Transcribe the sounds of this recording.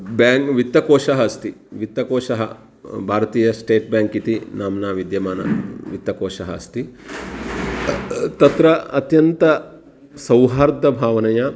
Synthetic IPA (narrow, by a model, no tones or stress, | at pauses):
baːŋkʋit̪ːɐkoːʃɐɦɐɐst̪iʋit̪ːɐkoːʂɐɦɐ | bʱaːɾɐt̪iːjɐsʈeːʈ̚bʲjaːŋkit̪inaːmnaːʋid̪jɐmaːnɐ̰ʋit̪ːɐkoːʃɐɦɐɐst̪i | t̪ɐt̪ɾɐɐt̪jɐnt̪ɐ | sɐwɦaːɾd̪ɐbʱaːʋɐnɐja